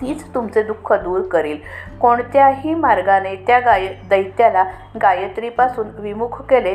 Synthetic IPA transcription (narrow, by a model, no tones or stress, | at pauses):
t̪iːt͡st̪umt͡sed̪ukʰːəd̪uːɾkəɾiːlkoɳt̪jaɦiːmaɾɡanet̪jaɡajd̪əjt̪jala | ɡajət̪ɾiːpasuːnʋimukʰkele